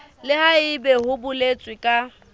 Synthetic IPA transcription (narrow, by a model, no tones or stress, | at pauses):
lɪhaɪbɛhʊbʊlet͡sʼwɪkʼa